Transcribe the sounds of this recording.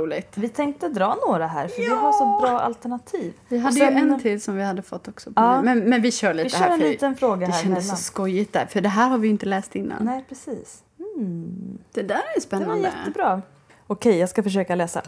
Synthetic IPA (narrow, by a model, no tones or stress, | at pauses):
uːlɪɡt̪vɪt̪ʰɛŋk̚t̪əd̪ɾɑːnoːɾaɦæ̰ːɾfœɾvɪɦaʂɔbɾɑːʔa̰lt̪ɛɳat̪ʰiːvvɪɦad̪ːjɛnt̪ʰɪlsɔmvɪhad̪ːəfɔt̪ːɔksɔpʰɑːmɛnmɛnvɪɕœːɭiːəhæːɾnliːt̪ənfɾoːɡad̪ɛɕɾɛnd̪əsɔskɔjːɪt̪̚d̪æ̰ːɾfœɖɛɦæːɾhaɾvɪjʏɪnt̪əlɛːst̪ɪnːa̰nɛɪpʰɾɛsiːs̩ | d̪̥ɛd̪æːɾɛɛnspɛnɛːaj̪ɛət̪ːəbɾɑː | ɔkʰɛjjɑːɡskafœʂ̬øːkalɛːsa̰